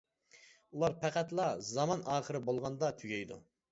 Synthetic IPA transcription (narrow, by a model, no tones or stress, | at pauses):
ulˠɑɾpʰæqʰæt̪lˠɑzɑmɑnʔɑːχəɾɪbolˠʁɑnd̪ɑt̪ʰyɡʲɛjd̪ṵ